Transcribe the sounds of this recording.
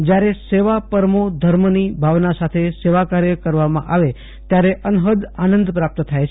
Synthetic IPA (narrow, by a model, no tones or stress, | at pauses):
d͡ʒjaɾeseʋapəɾmod̪ʱəɾmnibʱaʋnasat̪ʰeseʋakaɾjəkəɾʋamã̰ʔaʋe | t̪jaɾeʔənɦəd̪anə̃nd̪pɾap̚t̪ət̪ʰajt͡ʃʰe